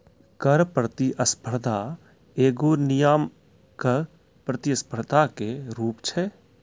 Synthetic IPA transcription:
kəɾpɾət̪iʔəspʰəɾd̪ʱa | eːɡonɪjaːm | kəɾ | pɾət̪iəspʰəɾd̪ʱakeɾuːpt͡ʃʰɛ

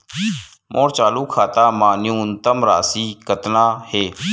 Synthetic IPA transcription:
mʔoːɾt͡ʃaːluːkʰaːt̪aːmaːnɪũːnt̪əmɾa̰ːsiːkət̪naːheː

